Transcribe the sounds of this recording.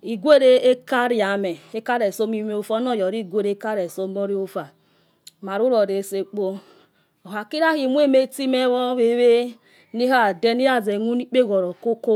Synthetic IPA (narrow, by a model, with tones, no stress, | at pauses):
i˨ɡʷe˦ɾe˦e˦ka˦ɾi˦˨a˨me˨e˦ka˦ɾe˨so˦mi˦m˦o˦fɔ˦nɔ˦˨jɔ˨ɾi˦˨ɡʷe˦ɾe˦ka˦ɾe˨so˦m˦o˦ɾi˦o˦fa˨ | ma˨ɾu˦ɾo˨ɾe˨se˦k͡po˦ | o˨ɦa˨ki˦ɾa˦hi˨mʷ˦e˦˨me˦ti˦me˦wɔ˦βe˦βe˦ | ni˦ɦa˦˨de˦ni˦ɾa˨ze˨nu˦ni˦k͡pe˦ɣo˨ɾo˨ko˦ko˦